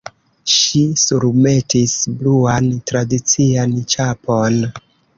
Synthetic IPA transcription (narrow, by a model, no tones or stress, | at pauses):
ʃisuɾme̞tisbluantɾadit͡siant͡ʃapʰo̞n